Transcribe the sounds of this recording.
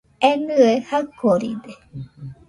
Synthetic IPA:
enɯehakʰːoɾḭd̪e

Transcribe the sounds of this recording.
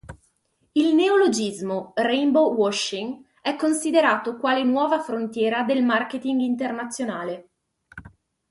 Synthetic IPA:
ilneolod͡ʒizmorɛjmbowɔʃːiŋ | ɛkːonsid̪eɾaːt̪okwaːlenwɔːvafɾont̪jɛːɾad̪elmarket̪iŋɡint̪ernat̪sːjonaːle

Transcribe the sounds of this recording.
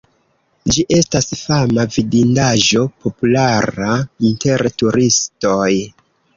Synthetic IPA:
d͡ʒiʔe̞stasfamavidindaʒo̞po̞pulaɾainte̞ɾtuɾisto̞j

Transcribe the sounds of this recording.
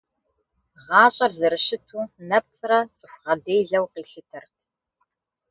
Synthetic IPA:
ʁɑːɕʼɐrzɨɾɨʃɪtʰuːnɐp̚t͡sʰʼrɐt͡sʼɪxʷʁɐdeːjɮɐwqiːɬɪtʰɨrtʰ

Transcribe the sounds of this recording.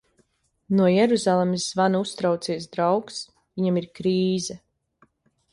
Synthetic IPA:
nuɔjɛɾuzalˠemisvanust̪ɾawt̪siɛs̬d̪ɾawks | viɲamiɾkɾiːzɛ

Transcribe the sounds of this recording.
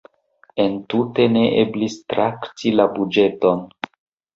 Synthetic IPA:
e̞ntute̞ne̞ʔeblistɾaktilabud͡ʒe̞to̞n

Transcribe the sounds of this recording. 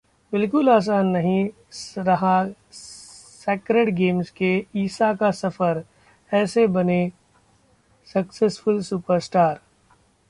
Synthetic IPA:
bɪlk̬ʊlaːs̬aːnːɐɦĩ | ɾɐɦa | sɛːkɾeɖɡeːmskeiːsakasɐfəɾ | ɛːsebɐne | sɐksesfʊlsuːpəɾsʈaːɾ

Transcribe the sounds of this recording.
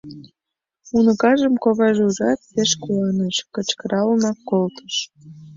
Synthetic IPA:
unəkɑʒəmkoβɑʒuʒɑt̪̚peʃkuɑneʃkə̆t͡ɕkəɾɑlnɑkːolt̪ʰə̥ʃ

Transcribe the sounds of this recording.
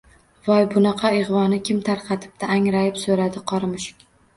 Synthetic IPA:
vɒjbʊnɑqʰɑeʁvɒnɪkʲʰɪmt̪ʰaɾqʰɑt̪ʰɪ̥p̚t̪aːŋɾajɪpsoɾad̪ɪqʰɒɾmɪʃɪ̥kʲ

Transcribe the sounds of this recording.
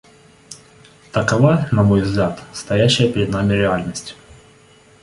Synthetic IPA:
t̪əkɐvanɐmo̞jvzɡlʲat̪st̪ɐjæɕːɪjəpʲɪɾʲɪd̪namʲɪɾʲɪalʲnəsʲtʲ

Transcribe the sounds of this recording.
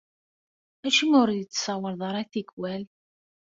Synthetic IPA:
æʃimʊɾðit͡sːsɑwəɾðˤɑɾˤæθikwæl

